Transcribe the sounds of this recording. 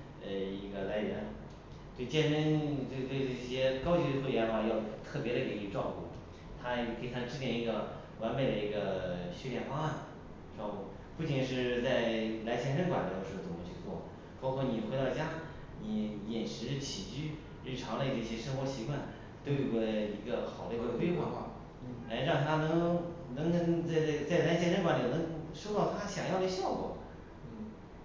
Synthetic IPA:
ə˧i˧˥ɡə˧la˧˥ɪɥɛ˧˥n | t̪we˥˩ɪt͡ɕjɛ˥˧nə˥nt̪we˥˧ɪt̪we˥˧ɪʈ͡ʂɤ˥˩˧ɕjɛ˥kɑ˥ʊt͡ɕy˧˥ə˧xʰwɥɛ˧˥nxa˧˩jɑ˥˩ʊt̪ʰɤ˥˩pjɛ˧˥ɾə˧ke˨˩ɪi˧˥˧ʈ͡ʂwɑ˥˧ʊkṵ˥˩ | t̪ʰa˥˧˩kʰi˩t̪ʰa˥ʈ͡ʂɻ̩˥t̪jɛ˥˩ni˧˥ɡə˧ | wa˧˥nme˨˩ɪd̪ə˩i˧˥ɡə˧ɕy˥ljɛ˨˩nfa˥a˥˩n | ʈ͡ʂwɑ˥˧ʊku˥˩ | pu˥˩t͡ɕi˨˩ŋʂɻ̩˥˧t͡sa˥˩ɪla˧˥ɪt͡ɕʰjɛ˥nʂə˥ŋkwa˨˩nlj̪ə˧ʂ̩ɻ̩˧˥˧t͡sʊ˨˩˧t͡ɕʰy˥˧t͡swɔ̰˥˩ | pɑ˥ʊkʰwɔ˥˩ni˨˩xwe˧˥ɪt̪ɑ˥˩ʊt͡ɕja˥ | ni˧˥˩jɛ˨˩nʂɻ̩˧˥t͡ɕʰi˨˩t͡ɕy˥˩ | ɻ̩˥˩ʈ͡ʂʰɑ˧˥ŋlə˥˧d̪ə˧i˥˩ɕjɛ˥ʂɤ˥ŋxwɔ˧˥ɕi˧˥kwa˥˩n | t̪o˥ʊjo˨˩ɡɔ˧˥˩i˧˥ɡə˧xɑ˨˩ʊle˥˧wkwe˥ɪxwa˥˧xwa̰˥˩ | la˧˥ɪɻɑ˥˩ŋt̪ʰa˥nɤ˧˥ŋnɤ˧˥ŋnə˧˥nt͡sa˥˧ɪ˥˩t͡sa˥˩ɪla˧˥ɪt͡ɕʰjɛ˥nʂə˥ŋkwa˧˥n˧˨˩nɤ˧˥ŋʂo˥ʊt̪ɑ˥˩ʊt̪ʰa˥ɕjɑ˨˩ŋjɑ˥˩ʊə˧˥ɕjɑ˥˩ʊkwɔ̰˨˩˦

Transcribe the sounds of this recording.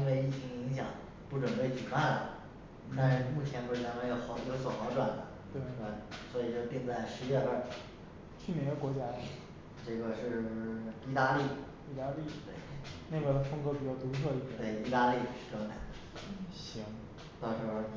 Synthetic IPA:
nwe˥˧ɪi˥˩t͡ɕʰi˧˥ŋ˧əi˧˥ŋɕ̬jɑ̰˨˩˦ŋ | pu˥˩ʈ͡ʂwə˨˩npe˥˩ɪt͡ɕy˨˩pa˥˩nlə̰˩ | na˥˧nʂɻ̩˥˩mu˥˩t͡ɕʰjɛ˧˥npu˥˩ɻ̩˥˩a˧˥nwjo˧˩ʊxɑ˧˥ʊjo˧˥ʊswɔ˨˩xɑ˧˥ʊʈ͡ʂwa˨˩nd̪ə˦ | t̪we˥˩a˥˧˩swɔ˧˥i˨˩t͡ɕo˥˧ʊt̪i˥˧ŋt͡sa˥˩ɪʂɻ̩˧˥ɥɛ˥˧ə˥˩ | t͡ɕʰy˥˩mjɛ˧˥ŋd̪ə˧˩kwɔ˧˥t͡ɕja˥ | ʈ͡ʂɤ˥˩ɡə˩ʂɻ̩˥˧i˥˧t̪a˥li˥˩ | i˥˩t̪a˥li˥˩t̪wḛ˥˩ɪn˥˩bə˥˩d̪ə˩fʊ˥ŋkpi˨˩t͡ɕjɑ˥˩ʊt̪u˧˥sʰɤ˥˧i˥˩t̪we˥˩ɪi˥˧t̪a˥li˥˧˩ʂɻ̩˥˩ʈ͡ʂɤ˥ŋna̰˨˩˦d̪ | ɕi˧˥ŋ | t̪ɑ˥˩ʊʂɻ̩˧˥xo˥˧ʊ˩

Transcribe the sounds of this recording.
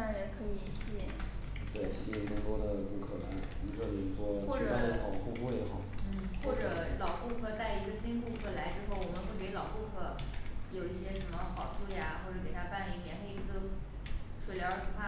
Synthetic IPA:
a˥˧˥ə˧˥nkʰɤ˧˥i˨˧˩ɕi˥˩˨ | t̪we˥˩˨ɕi˥i˨˩k̪ə˥˩t̪wɔ˥d̪ə˨˩pu˧˥kʰɤ˨˩la˧˥ | i˧˥ʈ͡ʂɤ˥˩ljt͡swɔ˥˧xwɔ˥˩˥ʈ͡ʂa˥˧˥njɛ˧˥xɑ˨˩ʊxu˥˧fu˥jɛ˧˥xɑ˨˩˦ʊn̩˥˩xwɔ˥˩ʈ͡ʂɤ˨˥˩lɑ˨˩ʊpu˥˧kʰɤ˥˩t̪a˥˩ɪi˧˥ɡə˧ɕi˥nku˥˧kʰɤ˥˩la˧˥ɪʈ͡ʂɻ̩˥xo˥˩ʊwɔ˨˩mə˧˦nxwe˥˩ɪke˧˥ɪlɑ˨˩ʊku˥˧kʰɤ˥˩jo˨˩ʊi˥˩ɕjɛ˥ʂə˧˥mə˧xɑ˨˩ʊt͡sʰu˥˩ja˩xwɔ˥˩ʈ͡ʂɤ˧˩k̬e˨˩ɪt̪ʰa˥pa˥˩ni˧˩njɛ˧˥nxe˥˧ɪi˥˩t͡sɹ̩˥˩ | ʂwe˨˩ɪljɑ˧˥ʂu˨˩pʰa˥˩

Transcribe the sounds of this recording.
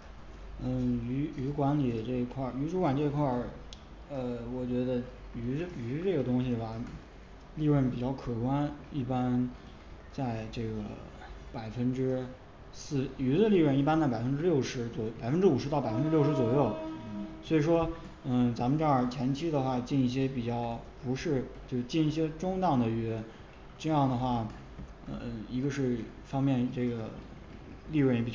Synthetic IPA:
nə˥˩y˧˥y˧˥kwa˧˥nli˨˩ʈ͡ʂɤ˥˩i˧˥kʰwa˥˩y˧˥ʈ͡ʂu˧˥kwa˨˩nʈ͡ʂe˥˧i˧kʰwa˥˩ | ə˧wɔ˨˩t͡ɕɥɛ˧˥d̪ə˧y˧˥˧y˧˥ʈ͡ʂɤ˥˩ɡə˩t̪ʊ˥ŋɕi˨˩ba˥˩ | li˥˧ɻə˥˩np̬i˨˩t͡ɕjɑ˥˩ʊkʰɤ˨˩kwa˥ni˥˩pa˥n | t͡sa˥˧ɪʈ͡ʂɤ˥˩ɡə̰˩ | pa˨˩ɪfə˥nʈ͡ʂɻ̩˥ | sɹ̩˥˩y˧˥d̪ə˧li˥˧ɻə˥˧ni˥˩pa˥nt͡sa˥˩pa˨˩ə˥nʈ͡ʂɻjo˥˩ʊʂɻ̩˧˥t͡swɔ˨˩˥pa˨˩ɪfə˥nʈ͡ʂɻ̩˥u˨˩ʂɻ̩˧˥ɑ˥˩pa˨˩ə˥nʈ͡ʂɻ̩˥jo˥˩ʊʂɻ̩˧˥t͡swɔ˨˩jo˥˩ʊswɔ˧˥i˨˩ʂwɔ˥ | ə˥˩t͡sa˧˥mə˧nʈ͡ʂɤ˥˩ə˥˨˩t͡ɕʰjɛ˧˥nt͡ɕʰi˥d̪ə˨xwa˥˩t͡ɕi˥˧ni˥˩ɕ̬jɛ˥pi˨˩t͡ɕjɑ˥˩ʊpu˧˥ʂɻ̩˥˧t͡ɕjo˥˧ʊʂt͡ɕi˥˧ni˥˩ɕ̬jɛ˥ʈ͡ʂʊ˥ŋt̪ɑ˥˩ŋd̪ə˩ɛ˧˥ | ʈ͡ʂɤ˥˧jɑ˥˩ŋd̪ə˩xwa˥˩ | ə˧˩˥i˧˥ɡə˧ʂɻ̩˥˩fɑ˥ŋmjɛ˥˧nʈ͡ʂɤ˥˩ɡə˩ | li˥˧ɻpi˨˩

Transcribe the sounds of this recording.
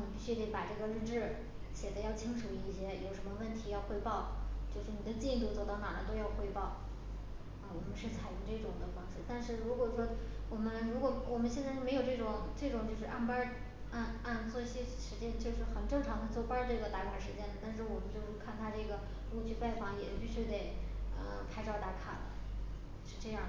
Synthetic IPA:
ni˨˩pi˥˩ɕɥy˥d̪ə˧˩pa˨˩ʈ͡ʂɤ˥˩ɡə˩ɻ̩˥˧ʈ͡ʂɻ̩˥˩ | ɕjɛ˨˩d̪ə˧˦jɑ˥˩ʊt͡ɕʰi˥ŋʂu˨˩i˧˥i˥˧˩ɕjɛ˥jo˨˩ʊʂə˧˥nmə˧wə˥˩nt̪ʰi˧˥jɑ˥˧ʊxwe˥˧ɪpɑ˥˩ʊt͡ɕjo˥˧ʊʂɻ̩˥˩ni˨˩d̪ə˦t͡ɕi˥˧i˥˩t̪u˥˧t͡swɔ˥˧˩t̪ɑ˥˩na̰˨˩la˧˥t̪o˥ʊjɑ˥˧ʊxwe˥˧ɪpɑ˥˩ʊ | ə˥˧wɔ˨˩mə˦nʂɻ̩˥˩t͡sʰa˨˩ɪjy˧˥ŋʈ͡ʂɤ˥˩ʈ͡ʂʊ˨˩ŋd̪ə˦fɑ˥ŋʂ̩˥˩t̪a˥˧nʂɻ̩˥˩ɻu˧˥kwɔ˨˩ʂwɔ˥wɔ˨˩mə˦nɻu˧˥kwɔ˨˩wɔ˨˩mə˦nɕ̬jɛ˥˧nt͡sa˥˧ɪ˥m˧˥jʊʈ͡ʂɤ˥˩ʈ͡ʂʊ˨˩˦ŋʈ͡ʂɤ˥˩ʈ͡ʂʊ˨˩ŋt͡ɕjo˥˧ʊʂɻ̩˥˧ʔa˥˩npa˥ | a˥˧na˥˧nt͡swɔ˥˧i˥˩ɕjɛ˥ʂɻ̩˧˥t͡ɕjɛ˥˧nt͡ɕjo˥˧ʊʂɻ̩˥˩xə˨˩nʈ͡ʂɤ˥˩ŋʈ͡ʂʰɑ˧˥ŋd̪ə˧t͡swɔ˥˩pa˥ʈ͡ʂɤ˥˩ɡə˩t̪a˥˩kʰa˨˩ʂɻ̩˧˥t͡ɕjɛ˥nd̪ə˨˩t̪a˥˧nʂ̬ɻ̩˥˩wɔ˨˩mə˦nt͡ɕjo˥˧ʊʂɻ̩˥˧kʰa˥˩nt̪ʰa˥ʈ͡ʂɤ˥˩ɡə˩ | lu˥˧t͡ɕʰy˥˧fa˥˩ɪfɑ˧˥ŋjɛ˨˩pi˥˩t͡ɕʰɥɛ˥t̪e˨˩ɪə̰˧kʰa˥ɪʈ͡ʂɑ˥˩ʊt̪a˧˥kʰa̰˨˩nlə̰˦ | ʂɻ̩˥˧ʈ͡ʂɤ˥˧jɑ˥˩ŋ˩

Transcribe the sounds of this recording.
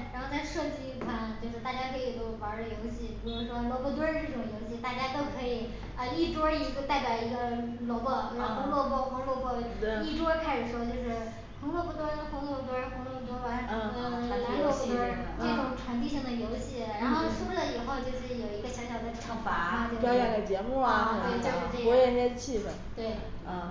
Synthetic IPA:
ɻa˧˥xo˥˧t͡sa˥˧ɪʂɤ˥˩t͡ɕi˥fa˥˩ŋt͡ɕjo˥˧ʊʂɻ̩˥˩t̪a˥˩t͡ɕja˥kʰɤ˧˥i˨˩t̪o˧˥fa˧˥ə˞˧˥ljo˧˥ʊɕi˥˩py˧˥˩ʂwɔ˥lwɔ˥˧pɔ˥˩t̪̬wə˥ʈ͡ʂɤ˥˩ʈ͡ʂʊ˨˩ŋjo˧˥ʊɕi˥˩t̪a˥˩t͡ɕja˥t̪o˥ʊkʰɤ˧˥i˨˩˦ | ə˧i˥˩ʈ͡ʂwɔ˥i˧˥˧t̪a˥˩ɪpʲjɑ˨˩ʊi˧˥ɡə˧ | lwɔ˧˥bɔ˥˩˥xo˧˥ŋlwɔ˥˧pwɔ˥˩xʊ˧˥lwɔ˥˧pwɔ˥˩˧i˥˩ʈ͡ʂwɔ˥kʰa˥ɪʂɻ̩˨˩ʂwɔ˥t͡ɕjo˥˧ʊʂɻ̩˥˩ | xʊ˧˥ŋlwɔ˥˧pu˥˩t̪wɔ˥xʊ˧˥ŋlwɔ˥˩pt̪wə˥xʊ˧˥ŋlwɔ˥˩pu˥˩t̪wɔ˥wa˧˥n˥˧˩a˧˥lɔ˥˧˥ɔ˥ | ʈ͡ʂɤ˥˩ʈ͡ʂʊ˨˩˦ŋʈ͡ʂʰwa˧˥nt̪̬i˥˧ɕi˥˩d̪ə˩jo˧˥ʊɕi˥˩ɻa˧˥nxo˥˧ʊʂu˥lə˨i˨˩xo˥˧ʊt͡ɕjo˥˧ʊʂɻ̩˥˩jo˨˩ʊi˧˥ɡə˧ɕjɑ˧˥ʊɕjɑ˨˩ʊd̪ə˧ʈ͡ʂʰɑ˧˩ŋfa˧˥a˥˧t͡ɕo˥˧wa˥jɛ˥˨˩d̪ə˩t͡ɕjɛ˧˥mu˥˩˧twe˥˧˩t͡ɕo˥˧ʊʂɻ̩˥˩˧ʈ͡ʂe˥˩ɔ˧˥jɛ˧˥˩njɛ˥t͡ɕʰi˥˩fə˨˩nt̪we˥˩ɪ˥˩

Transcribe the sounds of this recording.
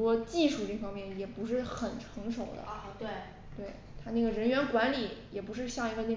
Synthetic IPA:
wɔ˥t͡ɕi˥˧ʂu˥˧ʈ͡ʂe˥˩fɑ˥ŋmjɛ˥˩njɛ˨˩pu˧˥ʂɻ̩˥˩xə˨˩nʈ͡ʂʰɤ˧˥ŋʂo˨˩ʊd̪ə̰˦t̪we˥˩ɪ | t̪we˥˩ɪ | t̪ʰa˥n˥˩ɡə˩ɻə˧˥nɥɛ˧˥nkwa˧˥nli˨˩˦jɛ˨˩pu˧˥ʂ̬ɻ̩˥˧ɕjɑ˥˩ŋi˧˥fa˥˧ne˥˩

